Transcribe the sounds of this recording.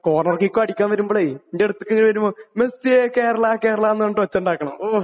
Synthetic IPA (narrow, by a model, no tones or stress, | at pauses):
koːrnɐrkikʲːoːɐɽikʲːaːmʋɐɾumboɭejiendeɽut̪ːɨkːeŋiiʋɐɾumomesijeke̞ːɾɐɭaːke̞ːɾɐɭaːnːɨoɳʈːɨʋɐt͡ɕːɐuɳɖaːkːɐɳɐ̰mː